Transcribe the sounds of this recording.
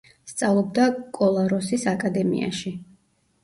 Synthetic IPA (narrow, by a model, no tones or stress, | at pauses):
st̪sʼavlˠɔb̚d̪akʼɔlˠaɾɔsisakʼad̪ɛmḭʔa̰ʃi